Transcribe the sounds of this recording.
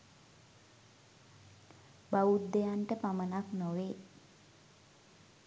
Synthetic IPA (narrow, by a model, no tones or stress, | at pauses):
baud̪d̪ejaɳʈəpamənaknoʋeː